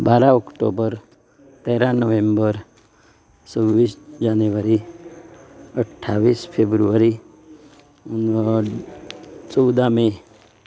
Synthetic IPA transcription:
baɾaɔkʈo̰bəɾ | t̪eɾanəʋẽmbəɾ | səʋʋisd͡ʒanjuʋəɾi | əʈʰːaʋiːspʰebɾuʋəɾi | t͡səwd̪amẽ

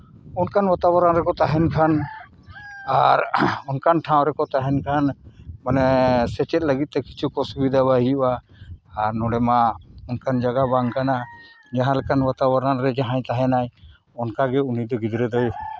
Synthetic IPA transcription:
unkʰanbat̪abaɾanɾɛkɔt̪aɦɛnkʰan | aɾɔnkʰanʈʰãw̃ɾɛkɔt̪aɦɛnkʰanmanɛsɛt͡ʃɛt̪̚ˀləɡit̪̚t̪ɛkit͡ʃʰukɔsubid̪ʱaβaɦijʔaː | ɾnɔɽɛmaɔnkʰand͡ʒaɡabaŋkana | d͡ʒãɦãlɛkanbat̪abaɾanɾɛd͡ʒaɦãj̃t̪aɦɛnaj | ɔnkaɡɛunid̪ɔɡid̪ɾɛd̪ɔju

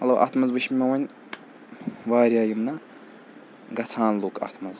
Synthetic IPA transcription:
ɐlɐwʔɐ̰t̪ʰmɐzbɨʃmʲimɐwɐnʲ | ʋaːɾʲjaːjimnɐ | ɡɐt͡sʰaːnloːkʰɐ̰t̪ʰmɐz

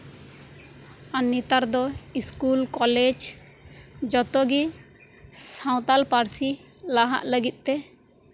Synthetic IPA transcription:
anːit̪aɾd̪ɔiskulkɔlɛd͡ʒ | d͡ʒɔt̪ɔɡi | saw̃t̪alpaɾsi | laɦa̰ʔləɡit̪̚ˀt̪ɛ

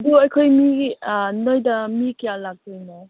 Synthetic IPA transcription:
duɐjkʰojmi | nojdɐmikijalak̚zajnɔ

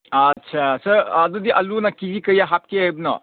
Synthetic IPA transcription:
ɐtt͡ʃʰasɐɾɐd̪ɔdiʔɐlunakizikɐjaɦap̚kiajbnɔ̰

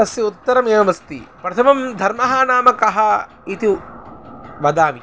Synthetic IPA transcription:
ɐsjɐut̪ːɐɾɐmeːɐmɐst̪ḭpɾɐt̪ʰɐmɐmd̪ʱɐɾmɐɦaːnaːmɐkɐɦɐ | it̪i | ʋɐd̪aːʋi

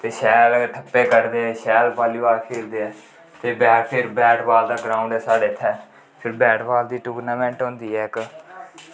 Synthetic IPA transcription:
t̪eːʃɛːlʈʰəpːeːkəɾd̪eːɛːʃɛːlpaːluːaːkʰeːld̪eːɛː | t̪eːbɛːpʰɪɾbɛːʈbaːld̪aːɡɾaːʊɳɖɛːsaːɖeːt̪ʰːɛː | pʰɪɾbɛːʈbaːld̪iːʈuːɡnaːmɛ̃ːɳʈɦõːnd̪iːɦɛːɪk

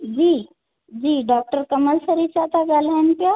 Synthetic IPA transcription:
d͡ʑiː | d͡ʑiːɖɔk̚ʈəɾkəməlsəɾit͡ɕat̪aɡalanpjɔ

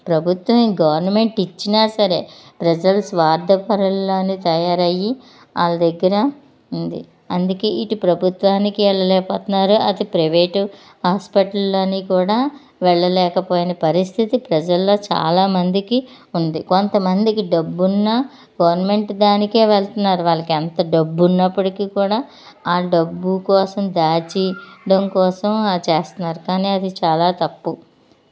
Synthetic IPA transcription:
pɾɐbʱut̪ʋɐmɡɐʋɐɾnɐme̞ɳʈit͡ʃːinaːsɐɾe̞̰ːpɾɐd͡ʒɐlsʋaːɾd̪ʱɐpɐɾɐlːoːnit̪ɐjaːɾɐjːi | a̰ːlɐd̪ɐɡːɐɾɐ | und̪ḭ | ɐnd̪uke̞ːiʈupɾɐbʱut̪ʋaːnikiʋɛɭːɐlɛːpɐːt̪unːaːɾuʔɐd̪ipɾɐʋeːʈ | ɦaːspɐʈɐlːoːniːkuːɽaː | ʋɛɭːɐlɛːkɐpo̞ːjinɐpɐɾist̪ʰit̪ipɾɐd͡ʒɐlːo̞ːt͡ʃa̰ːlaːmɐnd̪iki | und̪iko̞nt̪ɐmɐnd̪ikiɖɐbːunːɐ | ɡɐʋɐɾnme̞ɳʈd̪aːnike̞ːʋɛɭt̪unːaːɾuʋaːɭːɐkent̪ɐɖɐbːunːɐpːuɽikiːkuːɽaː | aːɖɐbːukɔːsɐmd̪aːt͡ʃiɖɐmkɔːsɐmt͡ʃeːst̪unːaːɾukaːniːɐd̪it͡ʃaːlaːt̪ɐpːu

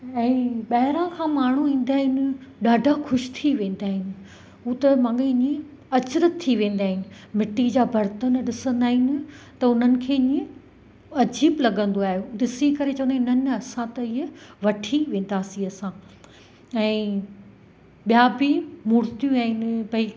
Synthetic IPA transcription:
ɛ̃ːɓɐɦɪɾãkʰãːmaːɳ̤uĩːn̆d̪aːɦɪnɪ̆ɗaːɖʱaxʊʃt̪ʰiʋẽːn̆d̪aːɦɪnɪ̆ | ɦuːt̪ɐmãːŋɡeɪɲĩ | ɐt͡ɕɾət̪t̪ʰːiʋẽːn̆d̪aːɦɪnɪ̆mɪʈid͡ʑaːbʱɐɾt̪ənɗɪsə̃nd̪aːɦɪnɪ̆t̪ɐʊn̤ənɪ̆kʰeːɲiẽ | ɐd͡ʑiːblɐɠə̃nd̪oaːɦjoɗɪsikɐɾet͡ɕɐʋ̃ənd̪aɪnənɐsãt̪ɐɪɦʋɐʈʰiʋẽːn̆d̪aːsĩɐsã | ɛ̃ː | ɓijaːbɪmuːɾt̪ijũaːɦɪnɪbɐi

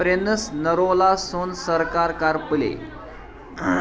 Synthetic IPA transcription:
ɾenəsnəɾolasonsəɾkaɾkaɾpəlḛ

